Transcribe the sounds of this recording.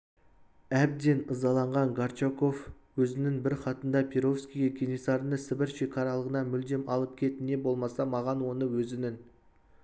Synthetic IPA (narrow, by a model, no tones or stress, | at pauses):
æb̚d̪e̞nəzɑlˠɑɴʁɑŋɡaɾt͡ʃako̞f | wɵzɪnɪŋbɪɾχɑt̪ənd̪ɑpʲʰeɾo̞fskʲijekʲʰenisɑɾənəsɪbɪɾʃekʰɑɾɑlˠəʁənɑmʏld̪e̞mɑlˠəp̚kʲʰe̞t̪ɪne̞bolˠmɑsɑmɑʁɑnwo̞nəwɵzɪnɪŋ